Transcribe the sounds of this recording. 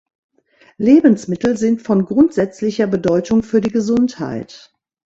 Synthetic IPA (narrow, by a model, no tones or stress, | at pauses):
leːbən̩smɪtl̩zɪntfɔnɡʁʊntz̥ɛt͡slɪçɐbədɔʏtʊŋfyːɐdiːɡəzʊntha̰ɪt